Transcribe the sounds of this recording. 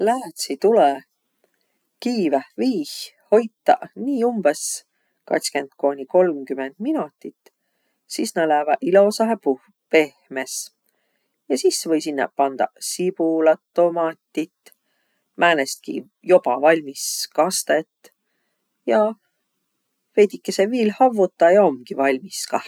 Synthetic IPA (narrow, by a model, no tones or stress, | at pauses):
læːt̪sit̪ulɛ | kiːvæviːhho̞jt̪ːɑ̰niːumb̥es | kɑ̰k̪skendt̪ko̞ːnʲiko̞lmkymend̪̥minut̪ːˑit̪ː | sisnælævɑʔilo̞sɑɦepu | pe̞hmes | jɑsisvɤjsinːɑ̰pɑnd̪̥ɑ̰sib̥ulɑt̪ːo̞mɑt̪ʲːˑit̪ː | mʔæːnest̪̚kḭ | jo̞pɑvɑlʲmiskɑst̪et̪ː | jɑ | vejd̪ikːˑeseviːlhɑvːut̪ːˑɑjɑo̞mɡ̥ivɑlʲmiskɑh